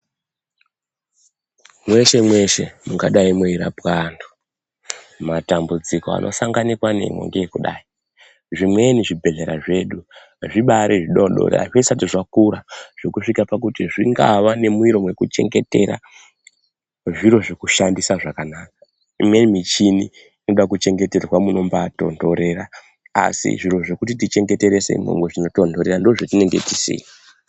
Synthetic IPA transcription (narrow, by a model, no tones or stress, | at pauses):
mwe̞ʃe̞mwe̞ʃe̞muɡaɗaimweiɾa̰pwando̥ | matambud͡ziko̞a̰nʔo̞̰saŋɡanikwane̞̰mwo̰ŋɡejekuɗa̰i | ʐimwe̞niʐibʱe̞ɮe̞ɾa̰ʐe̞ɗu | ʐiɓaɾiʐiɗoɗo̰ɾ̰a̰ʐisatiʐakuɾaʐ̥ekuʂikapak̬utiʐiŋɡa̰ʋane̞muiɾo̞mwe̞kut͡ʃe̞̰ŋɡe̞te̞ɾa̰ | ʐiɾo̞ʐekuʃandisaʐakanaːkḁ | imwe̞nimit͡ʃini | ino̞ɗakut͡ʃe̞ŋɡe̞te̞rwamuno̞mbato̞̰ndo̞ɾe̞ɾa | a̰sḭʐiɾo̞ʐekutitit͡ʃe̞ŋɡe̞te̞ɾesḛimo̰mɡoʐino̞to̞ndo̞ɾe̞randoʐotine̞ŋɡe̞̰ti̥sḛi